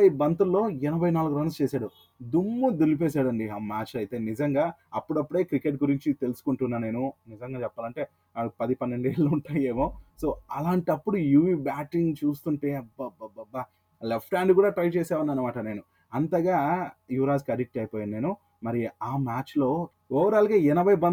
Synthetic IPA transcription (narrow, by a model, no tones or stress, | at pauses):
ɐibɐnt̪ulːo̞ːɛnɐbʱɐjnaːluɡuɾɐnst͡ʃeːsaːɽu | d̪umːud̪ilip̬ɛːs̬aːɽɐɳɖiaːmaːt͡ʃɐjt̪e̞ːnizɐŋɡaːɐpːuɽɐpːuɽe̞ːkɾike̞ʈ̬̚ɡuɾiɲt͡ʃit̪e̞lusu̥kuɳʈunːaːne̞ːnunizɐŋɡaːt͡ʃɛpːaːlɐɳʈe̞ː | apɐd̪ipɐnːe̞ɳɖeːɭːuuɳʈaːjeːmoːso̞ːɐlaːɳʈɐpːuɽujuʋiːbaːʈiŋɡt͡ʃuːst̪uɳʈeːɐbɐbɐbɐba | lepʰʈaːɳɖkuːɽaːʈɾɐjt͡ʃeːsaːʋɐnːɐnːɐmaːʈɐne̞ːnu | ɐnt̪ɐɡaːjuːɾaːskɐɾik̚ʈɐjpoːjanne̞ːnu | mɐɾiaːmaːt͡ʃlo̞ː | ɔːʋɐɾaːlikeːɛnɐbʱɐjbɐ